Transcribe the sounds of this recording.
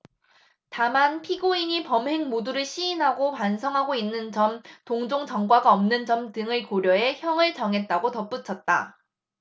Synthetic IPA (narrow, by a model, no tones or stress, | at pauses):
tamanpʰiɡoiɲipʌmɦe̞ŋmoduɾɯɭɕʰiinɦaɡopansʰʌŋɦaɡoinːɯnt͡ɕʌmtoŋd͡ʑoŋt͡ɕʌŋɡwaɡaʌmnɯnt͡ɕʌmtɯŋɯɭkoɾjʌe̞çjʌŋɯɭt͡ɕʌŋɦe̞t̚t͈aɡotʌp͈ut͡ɕʰʌt̚t͈a̰